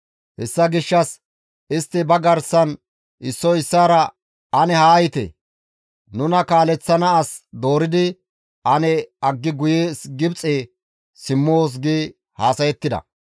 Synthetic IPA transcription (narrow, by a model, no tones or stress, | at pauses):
hɛsːɐɡɪʃːɐs | ɪst̪ːɪbɐɡɐɾsɐn | ʔɪsːɔɪsːaːɾɐ | ɐnɛhaːjɪt̪ḛ | nʊnɐkaːlɛt͡sːɐnɐːsd̪o̞ːɾɪd̪ɪ | ʔɐnɛɐɡːɪɡʊjesɡɪbt͡sʼeː | sɪmːoːs̬ɡiː | haːsɐjɛt̪ːɪd̪ɐ̰